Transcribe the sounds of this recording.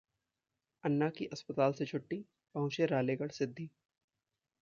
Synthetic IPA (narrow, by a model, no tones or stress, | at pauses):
ɐnːakiʔɐspət̪aːlset͡ʃʰʊʈːi | pɐɦʊ̃t͡ʃeɾaːleːɡəɽsɪd̪ʱːiː